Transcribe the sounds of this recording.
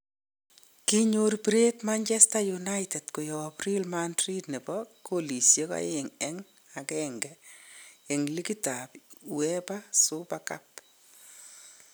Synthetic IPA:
kiɲoɾpɾetmant͡ʃɛstajunajtɛtkojɔbrilmandɾidnibɔkolisjeka̰ɪŋɛŋ | akɛŋɡɛ | eŋlikitapwɛpasʊpaka̰p

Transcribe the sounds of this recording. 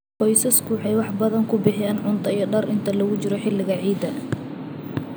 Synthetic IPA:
qɔjsɐskʰʊwħɑjwɑħbɐðɐŋkʰʊbɪħɪjaːnʕʊnt̪ʰɐijɔɖɐrɪnt̪ʰɐlɐɣʊt͡ʃɪɾɔħɪlɪɣɐʕiːd̪ɐ

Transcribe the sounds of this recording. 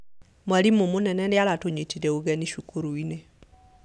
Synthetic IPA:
mwalimomonɛnɛnɪalatoɲetidɛoɡɛniʃukoɾuine

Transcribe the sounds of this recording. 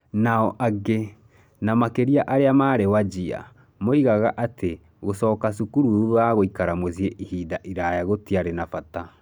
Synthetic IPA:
naɔʔaɡe | namakeɾiaʔaɾeamaːɾewad͡ʑia̰ | moiɣaɣaʔate | ɣosɔːkas̬ukuɾuuaɣoikaɾamozieʔihiːðaʔiɾajaɣotiaɾenafata

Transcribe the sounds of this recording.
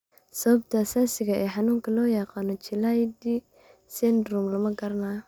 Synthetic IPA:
sɐβɐbt̪ʰɐɐsaːsɪɣɐʔɛːħɑnuːŋkʰɐlɔːjɑqɑːnɔt͡ʃɪlajd̪i | sɛnd̪ɾumlɐmɐɡɐɾɐnaː

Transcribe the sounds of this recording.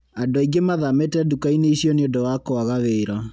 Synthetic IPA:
adoaiɡemaðametɛdukaineiɕjɔneodɔwakɔaɣaβeːɾa

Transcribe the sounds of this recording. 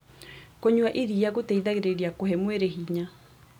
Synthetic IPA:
koɲuaʔiɾiaɣoteiðaɣeɾeɾiakoɦɛmweɾeɦiɲa

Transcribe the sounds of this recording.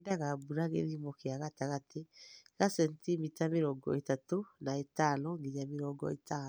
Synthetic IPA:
ndaɣabuɾaɣeɾimɔkeaɣataɣateɣasɛntimitameɾɔɡɔ̰etatonaetanɔŋɡiɲameɾɔɡɔ̰eta

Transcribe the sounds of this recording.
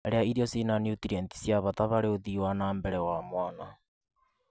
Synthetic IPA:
ɾeaiɾiɔsinanjutiɾɛnti̥sjaβataβaɾeoðiwanaːmbɛɾɛwamwaːna

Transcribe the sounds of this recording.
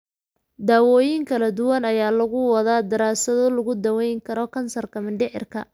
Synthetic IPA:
d̪aːwɔːjɪŋkʰɐlɐd̪ʊwɐnɐjaːlɐɣʊwɐðaːd̪ɐɾaːsɐðɔlɐɣʊd̪ɐwɛjŋkʰɐɾɔkʰɐnsɐrkʰɐmɪɳɖɪʕɪ̰rkʰɐ

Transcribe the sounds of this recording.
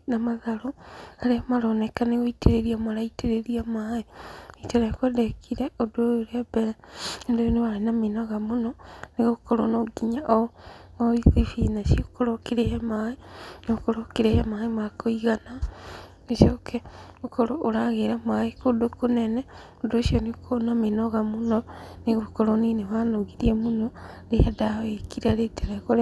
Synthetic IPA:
namaðaɾoaɾeamaɾonɛkaneɣoiteɾeɾiamaɾaiteɾeɾiamaeiteɾakwedekʰiɾeodojoɾeabɛɾɛendoonewaɾenamenaɣamonɔneɣokoɾonoɡiɲaʔomaikifinasiokoɾokeɾehamaenokoɾokiɾehemaimakoiɣana | iʃokʰeukoɾooɾaɣeɾamaikodukunene | udoʃionikʰonaminoɣamunoniɣokoɾoniːneβanoɣiɾiemunoleadaekiɾaɾeteɣakoɾe

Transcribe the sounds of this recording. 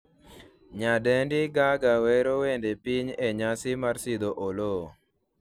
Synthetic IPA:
ɲadɛndɪɡaɡawɛɾowendepiɲeɲasɪmarsɪd̪oʔolo

